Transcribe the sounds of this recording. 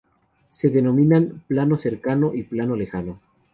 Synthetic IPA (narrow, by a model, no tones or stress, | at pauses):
se̞ðeno̞mĩnanplano̞se̞ɾkanoʔiplano̞le̞xano